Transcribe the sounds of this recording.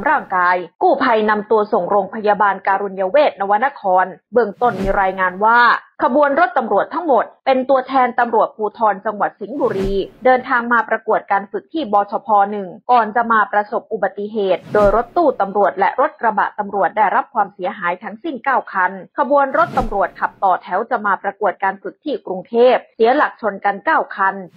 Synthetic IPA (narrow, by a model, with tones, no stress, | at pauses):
ɾaː˥˩ŋkaː˧jkuː˥˩pʰa˧jna˧mt̪u˧əso˨˩ŋɾoː˧ŋpʰa˧jaː˧baː˧nkaː˧ɾu˧nja˧weː˥˩t̪̚na˧wa˦˥na˧kʰɔː˧nbɯ˥˧˩əŋt̪o˥˩nmiː˧ɾaː˧jŋaː˧nwaː˥˩kʰa˧bu˧ənɾo˦˥t̪ːa˧mɾu˨˩ət̪ʰːa˦˥ŋmo˨˩t̪̚pe˧nt̪u˧ət̪ʰɛː˧nt̪a˧mɾu˨˩ət̪̚pʰuː˧t̪ʰɔː˧nt͡ɕa˧ŋwa˨˩t̪̚si˩˦ŋbuː˨˧ɾiː˧dɤː˧nt̪ʰaː˧ŋmaː˧pɾa˧ku˨˩ət̪̚kaː˧nfɯ˨˩k̚t̪ʰiː˥˩bɔː˧t͡ɕʰɔː˧pʰɔː˧nɯ˨˩ŋkɔː˨˩nt͡ɕa˨˩ʔmaː˧pɾa˧so˨˩p̚ʔu˨˩ba˨˩t̪ːi˧˩ɦeː˨˩t̪̚doː˧jɾo˦˥t̪ːuː˥˩t̪a˧mɾu˨˩ət̪̚lɛ̰˦˥ʔɾo˦˥t̪̚kɾa˧ba̰˨˩ʔt̪a˧mɾu˨˩ət̪̚da˥˩jɾa˦˥p̚kʰwaː˧msi˩˦ɐɦaː˩˦jt̪ʰa˦˥ŋsi˥˩nkaː˥˩wkʰa˧nkʰa˧bu˧ənɾo˦˥t̪ːa˧mɾu˨˩ət̪̚kʰa˨˩p̚t̪ɔː˨˩t̪ʰɛ˩˦wt͡ɕa˨˩maː˧pɾa˧ku˨˩ət̪̚kaː˧nfɯ˨˩k̚t̪ʰiː˥˩kɾu˧ŋt̪ʰeː˥˩p̚si˨˩˦la˨˩k̚t͡ɕʰo˧nka˧nkaː˥˩wkʰa˧n